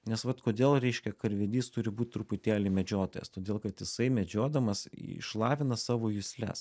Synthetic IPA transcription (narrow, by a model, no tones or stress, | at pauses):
nʲɛsʋɐt̪koːd̪ʲeːlˠɾʲɛɪʃʲkʲɛkɐɾʲʋʲɛd̪ʲiːst̪ʊɾʲɪbuːt̪̚ʲt̪ɾʊpʊt̪ʲæːlʲɪmʲɛd͡ʒʲoːt̪oːjɛ̰st̪oːd̪ʲeːlˠkɐt̪jɪsɐɪmʲɛd͡ʒʲoːd̪ɐmɐsɪ̰ʃlˠɑːʋʲɪnɐsɑːʋoːjʊsʲlʲɛ̰s